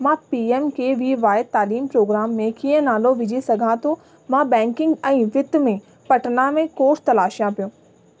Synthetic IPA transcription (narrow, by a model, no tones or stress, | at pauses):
mãːpiːemkeʋiʋaːɪt̪aːliːmpɾoːɡɾaːmːẽkiːə̃naːloʋɪd͡ʑʱisɐɡʱãt̪ʰo | mãbɛ̃ːŋkɪ̃ŋɡɛ̃ːʋɪt̪mẽ | pɐʈənamẽkoːɾst̪ɐlaːʃjãpijõː